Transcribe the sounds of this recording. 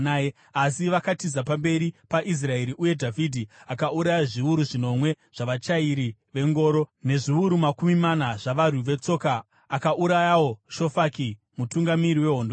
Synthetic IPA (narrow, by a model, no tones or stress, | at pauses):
aːje | asiʋakatizapambe̞ɾipaʔis̬rae̞ɾiʔuje̞dʱavidʱiakauɾajaʐiuɾuʐino̞mwe̞ | ʐ̥aʋat͡ʃaiɾiʋe̞ŋɡo̞ːɾo̞ne̞ʐiuɾumakumimanaʐaʋaruʋe̞t͡so̞ːkaː | kaʔuɾajawo̞ʃo̞faki | mutuŋɡamiɾiwe̞ɦo̞ndo